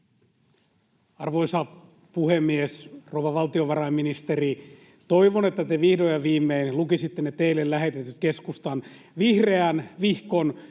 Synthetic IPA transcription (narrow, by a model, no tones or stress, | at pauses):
ɑrʋoisɑ | puhemːiesrowʋɑʋɑlt̪ioʋɑrɑimːinist̪eri | t̪oiʋonet̪ːæt̪eʋihdojɑʋiːmːeinlukisit̪ːenet̪eilːellæɦet̪et̪yt̪̚keskust̪ɑn | ʋihre̞ænʋihkon